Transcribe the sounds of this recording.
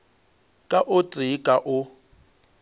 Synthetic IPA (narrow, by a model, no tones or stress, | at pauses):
kʼaʔʊt͡sʼikʼaʔʊ